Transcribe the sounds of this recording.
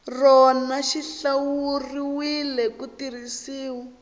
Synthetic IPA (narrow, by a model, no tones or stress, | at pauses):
rɔnaʃiɬawuriwilɛkutirisiːwɔ